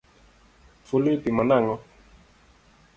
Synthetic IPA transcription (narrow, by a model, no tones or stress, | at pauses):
fulut̪imanaŋɔ